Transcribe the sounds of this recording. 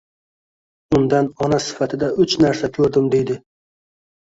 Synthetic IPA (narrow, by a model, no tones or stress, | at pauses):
ʊnd̪anɒnasɪ̥fat̪ʰɪd̪aʊt͡ʃnaɾsakʲʰɵɾd̪ɪmd̪e̞jd̪ɪ